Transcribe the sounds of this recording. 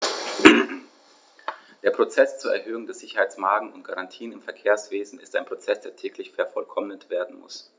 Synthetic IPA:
d̥eːɐpʁ̥ot͡sɛst͡suːɐɛ̰ɐhøːʊŋdeːɐz̥ɪçɐhaɪt͡smaːɡŋ̩ʊnt̚ɡ̥aʁantʰiːənɪmfɛɐkʰeːɐsv̥eːzn̩ɪ̰staɪnpʁ̥ot͡sɛsd̥eːɐtʰɛːklɪçfɛɐfɔlkʰɔmənətv̥eːɐdn̩mʊ̰s

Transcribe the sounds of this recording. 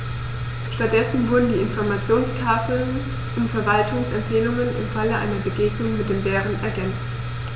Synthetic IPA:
ʃtat̚d̥ɛsn̩vʊɐdn̩diːɪnfɔɐmat͡sjoːnstʰaːfl̩n | ʔʊntfɛɐvaltʰʊŋsɛmfɛːlʊŋənɪ̰mfaləʔaɪnɐbəɡeːɡnʊŋmɪt̚d̥eːmbɛːʁənɛɐɡɛnt͡st

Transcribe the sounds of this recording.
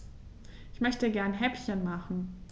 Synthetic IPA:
ʔɪçmœçtəɡɛɐnɦɛpçənmaχn̩

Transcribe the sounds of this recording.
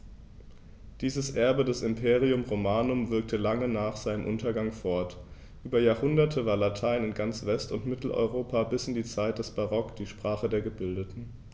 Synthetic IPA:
d̥iːzəsʔɛɐbədɛsɪmpʰeːʁiʊmʁomaːnʊmvɪɐk̚tʰəlaŋənaːχz̥aɪnəmʔʊntɐɡaŋfɔɐt | ʔyːbɐjaːɐhʊndɐtʰəvaːɐlatʰaɪnɪnɡant͡sv̥ɛstʊntmɪtl̩ʔɔ̰ʏʁoːpʰabɪsɪndiːt͡saɪt̚d̥ɛsb̥aʁɔkd̥iːʃpʁ̥aːχədeːɐɡəbɪldətn̩

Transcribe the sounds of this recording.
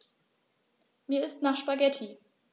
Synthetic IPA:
miːɐɪstnaːχʃpaɡɛtʰi

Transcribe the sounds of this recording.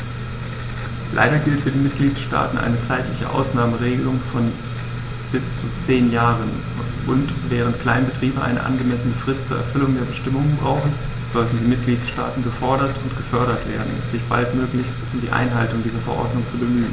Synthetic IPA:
lʔa̰ɪɾɐɡɪltfyɐdiːmɪt̚ɡ̥liːtʃta̰ːtn̩ʔa̰ɪnət͡saɪtlɪçə̰ʔa̰ʊsnaːməʁeːɡəlʊŋfɔn | b̥ɪst͡sut͡seːnjaːʁən | ʔʊntvɛːʁ̞əntkʰl̥aɪnbətʁ̥iːbəʔa̰ɪnʔə̰ʔa̰nɡəmɛsənəfʁ̥ɪstt͡suːɐʔɛɐfʏlʊŋdeːɐbəʃtɪmʊŋbʁaʊxn̩ | z̥ɔltn̩diːmɪt̚ɡ̥liːtʃta̰ːtn̩ɡəfɔɐɾɐtʊntɡ̥əfœɐɾɐtv̥ḛːɐdn̩mz̥ɪçb̥a̰ltmøːklɪçstʊmdiːʔa̰ɪnɦaltʊŋdiːzɐfɛɐʔɔ̰ɐdnʊŋt͡subəmyːən

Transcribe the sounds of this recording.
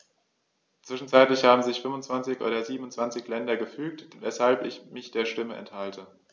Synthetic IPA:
t͡sv̥ɪʃn̩t͡saɪtlɪçhaːbm̩zɪçfʏmvʊnt͡sv̥ant͡sɪçʔoːdɐziːbm̩ʊntt͡sv̥ant͡sɪçlɛndɐɡəfyːk̚tvɛshalpɪçmɪçd̥eːɐʃtɪməʔɛ̰nthaltʰə

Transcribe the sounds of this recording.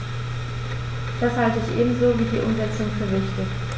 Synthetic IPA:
d̥ashaltəɪçʔḛːbm̩zoːviːdiːʔʊmzɛt͡sʊŋfyːɐvɪçtə

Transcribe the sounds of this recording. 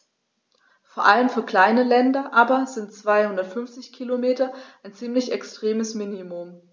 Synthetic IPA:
foːɐʔaləmfyːɐkl̥aɪnəlɛndɐʔaːbɐzɪntt͡sv̥aɪhʊndɐtfʏnft͡sɪçkʰilomeːtɐʔaɪnt͡siːmlɪçɛkstʁ̥eːməsminimʊm

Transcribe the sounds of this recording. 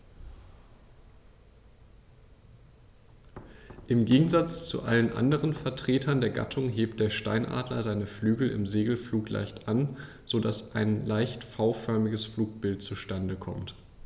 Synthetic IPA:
ʔɪmɡeːɡŋ̩zat͡st͡sṵʔa̰lənʔa̰ndəʁənfɛɐtʁ̥eːtʰɐndeːɐɡa̰tʰʊŋɦeːp̚t̚d̥eːɐʃta̰ɪnʔa̰ːdlɐ̰zaɪnəflyːɡl̩ʔɪ̰mzeːɡl̩fluːklʔa̰ɪçtʔan | z̥odasʔaɪnlaɪçtfaʊfœɐmɪɡəsfluːk̚b̥ɪltt͡suʃtandəkʰɔ̰mt

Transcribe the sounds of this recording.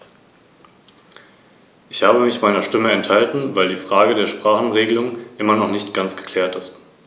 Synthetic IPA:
ʔɪçhaːbəmɪçmaɪnɐʃtɪməɛnthaltn̩vaɪldiːfʁ̥aːɡədeːɐʃpʁ̥aːχn̩ʁeːɡəlʊŋʔɪmɐnɔχnɪçtɡ̥ant͡sɡ̥ə̥kʰl̥ɛːɐtɪst

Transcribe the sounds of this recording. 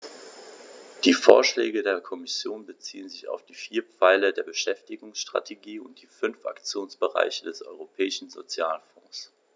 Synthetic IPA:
d̥iːfo̰ːɐʃlɛ̰ːɡədeːɐkʰɔmɪsjoːnbət͡sḭːənzɪça̰ʊfd̥iːfiːɐp͡faɪlədeːɐbəʃɛftɪɡʊŋsʃtʁ̥a̰tʰeɡiːʊnt̚d̥iːfʏnfʔa̰kt͡sjoːnsb̥əʁa̰ɪçədɛsʔɔ̰ʏʁopʰɛːɪʃn̩zo̰t͡sjaːlfɔ̃ːs

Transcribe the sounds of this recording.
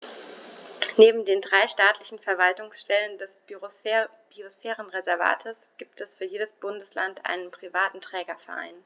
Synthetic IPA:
neːbm̩deːndʁaɪʃtaːtʰlɪçn̩fɛɐvaltʊŋsʃtɛləndɛs | b̥iosfɛːʁənʁezɛɐva̰ːtʰəsɡ̥iːp̚tʰɛsfyːɐjeːdəsb̥ʊndəslantʔa̰ɪnənpʁ̥ivaːtn̩tʁ̥ɛːɡɐfɛɐʔa̰ɪn

